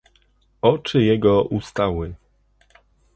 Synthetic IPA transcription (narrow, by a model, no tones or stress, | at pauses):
ɔt͡ʂɘjɛɡɔʔust̪awɘ